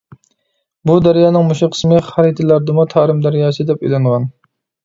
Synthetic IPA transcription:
bud̪æɾjɑːnɨŋmuʃiqʰə̥smɨχæɾit̪ʰɪlæɾd̪ɨmut̪ʰɑːɾɪmd̪æɾjɑːsɨd̪ɛpy̰jlɑɴʁɑn

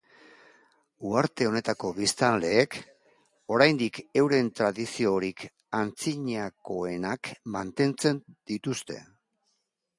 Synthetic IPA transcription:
uaɾt̪e̞o̞ne̞t̪ako̞βist̪anle̞ːk | o̞ɾajnd̪ike̞wɾe̞nt̪ɾaðisio̞ɾik | ant͡siɲako̞e̞nakmant̪e̞nt͡se̞nd̪̥it̪ust̪e̞̰

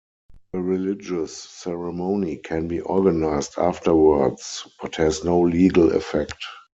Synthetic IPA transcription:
əɹilɪd͡ʒəsːɛɹɛmõʊ̃nikʰɛ̃nbiːʔɔɡanaɪsta̰ftəwə˞dsb̥athɛznoʊliːɡəlɛ̰fɛkt

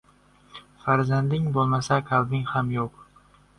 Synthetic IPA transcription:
faɾzand̪ɪŋbolˠmasakʲʰalˠbɪŋhamjoq

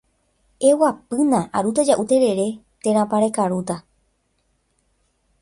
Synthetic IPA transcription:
e̞wapɨnãʔaɾut̪ad͡ʒaʔut̪e̞ɾe̞ɾe̞ | t̪ẽ̞ɾ̃ãpaɾekaɾut̪a

